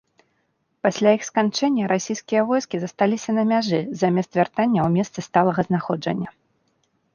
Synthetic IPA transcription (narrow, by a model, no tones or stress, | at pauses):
pasʲlʲaixskant͡ʂɛnʲːɐɾasʲijskʲijɐvɔjskʲizɐst̪alʲisʲɐnɐmʲaʐɨzamʲɛst̪vʲart̪anʲːɐwmʲɛst̪sɨst̪alˠɐɣɐznaxɔd͡ʐɐ̰nʲːɐ